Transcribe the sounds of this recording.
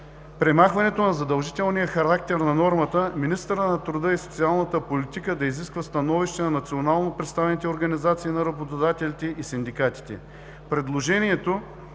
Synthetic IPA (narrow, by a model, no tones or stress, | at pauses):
pɾɛmaxvɐnɛt̪onɐzɐd̪ɐlˠʒit̪ɛlˠnijəxɐɾak̚t̪ɛɾnɐnɔɾmət̪əminist̪əɾənɐt̪ɾʊd̪əɛsot̪sialˠnət̪əpolit̪ikəd̪ɐiziskvəst̪ɐnɔviʃt̪ɛnɐnɐt̪sionalˠnopɾɛt̪st̪avɛnit̪ɛoɾɡɐnizat̪siːnɐɾɐbot̪od̪at̪ɛlit̪ɛʔisind̪ikat̪i̥t̪ɛ̰ | pɾɛd̪lˠoʒɛnʲiɛt̪o